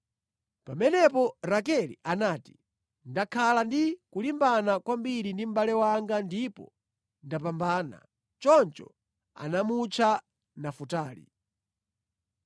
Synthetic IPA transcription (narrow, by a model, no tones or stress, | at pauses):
pamɛnɛpɔɾakɛlḭʔanaːti̥ | ndakʰalandikulimbanakwambiɾindim̩balɛwaŋɡandipɔ̰ | ndapambaːna̰ | t͡ʃɔnt͡ʃɔ̰ | a̰namut͡ʃʰa | nafutaːlḭ